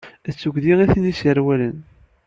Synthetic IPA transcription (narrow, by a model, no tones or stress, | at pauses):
ət͡sːuɡðiʁiθnisəɾwælən